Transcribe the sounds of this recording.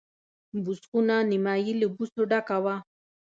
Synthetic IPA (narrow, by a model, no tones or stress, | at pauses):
bʊsqʊnanɪmajɪlɪbʊsʊɖakawa